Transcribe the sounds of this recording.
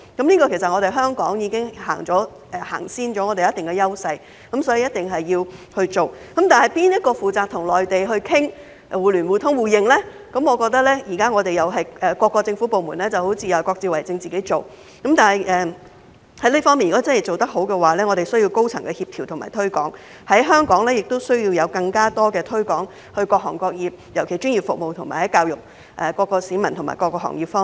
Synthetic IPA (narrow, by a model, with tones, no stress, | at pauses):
kɐ˨˦mliː˥kɔː˧kʰe˨˩sɐ˨t̚ŋɔ˨˧ɾe˨jɦœː˥ŋkɔː˨˥ŋjiː˧kɪ˥ŋha̰ː˨˩ŋt͡sɔː˨˥ | ʔɛ˨˧ha̰ː˨˩ŋsiː˥nt͡ʃɔː˨˥ŋɔː˨˧t̪e˨jɐ˥t̪ɪ˨ŋkɛ˧jɐ˥wsɐ˧j | kɐ˨˥msɔː˨˥ji˨˧jɐ˥t̪̚t̪ɪ˨ŋɦɐ˨jːiː˧whɵ˧ɥt͡ʃo˨wkɐ˨˥mt̪aː˨nhɦɐ˨˩jpiː˥njɐ˥t̚kɔː˧fuː˨t͡saː˨k̚t̪ʰʊ˨˩ŋlɔː˨˩jt̪e˨jɦɵ˧ɥkʰɪ˥ŋ | wuː˨˩lyː˨˩nwuː˨˩t̪ʰʊ˨˥ŋwuː˨˩jɪ˨˧ŋlɛː˥ | kɐ˨˥mŋɔː˨˧kɔː˧k̚t̪ɐ˥k̚lɛː˥ji˨˩kaː˥ŋɔː˨˧t̪e˨jɐ˨wɦɐ˨jɛː˨kʷɔː˧kːɔː˧t͡sɪ˧ŋfu˨˥po˨wmṵː˨˩nlɛː˥t͡sɐ˨who˨˥wt͡sʰi˧jɐ˨˧wkɔː˧k̚t͡siː˧wɐ˨˩jt͡sɪ˧ŋt͡siː˨ke˨˥jt͡so˨w | kɐ˨˥mt̪aː˨˩nhɐ˨˩jʔɛː˨˧ | hɐ˨˥jliː˥fɔː˥ŋmiː˨˩njkɔː˥t͡sɐ˥nhɐ˨˩jt͡so˨wt̪ɐ˥k̚ɦo˨˥wkɛː˧waː˨˩lɛː˥ŋɔː˨˧t̪e˨˩sɵ˥ɥji˧wko˥wt͡sʰɐ̰˨˩ŋkɛ˧hiː˧p̚t̪ʰiː˨˩wt̪ʰʊ˨˩ma̰ː˨˩jt̪ʰɥkɔ̰ː˨˥ŋ | hɐ˨˥jɦœː˥ŋkɔː˨˥ŋlɛː˥jɪ˨˩k̚t̪o˥wsɵ˥ɥji˧wjɐ˨˧wkɐ˧ŋkaː˥t̪ɔː˥kɛː˧t̪ʰɵ˥ɥkɔː˨˥ŋ | hɵ˧ɥkɔː˧k̚hɔ̰ː˨˩ŋkɔː˧k̚jiː˨p̚jɐ˨˩wkʰe˨˩jt͡ʃyː˥njiː˨˩pfʊ˨k̚mo˨wt̪ʰʊ˨˩ŋmaː˨˩hɐ˨˥jkaː˧wjʊ˨k̚ | ʔɛː˨kɔː˧kːɔː˧siː˨˥mɐ˨˩nt̪ʰʊ˨˩ŋma̰˨˩kɔː˧kːɔː˧˥hɔ̰ː˨˩ŋjiː˨pfɔː˥